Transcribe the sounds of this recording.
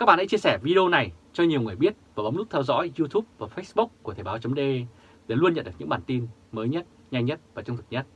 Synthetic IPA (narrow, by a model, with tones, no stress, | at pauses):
kaː˦˥k̚ɓaː˨nha˧˦jt͡ɕi˧əsɛ˧˩vi˧ɗe˧o˧na˨˩jt͡ɕɔ˧ɲi˨˩əwŋɨ˨˩əjɓi˦˥ət̚vaː˨˩ɓa˨˦ŋ͡mnɨ˦˥t̪ʰɛ˧wzɔ̰˧˥jzu˧t̪ʰu˦˥p̚vaː˨˩fə˦˥sɓu˦˥k͡p̚ku˧˩ət̪ʰe˧˩ɓːwt͡ɕə˨˦ŋ͡mɗe˧ | ɗe˧˩lu˧ənɲə̰˧˨nɗɨ˨˩ɲɨ̰˧˥ɓaː˨˩nt̪i˧n | məː˨˦jɲə˦˥t̚ | ɲa˧jŋɲə˦˥t̚vaː˨˩t͡ɕɔ˧ŋ͡mt̪ɨ˨˩ɲə˦˥t̚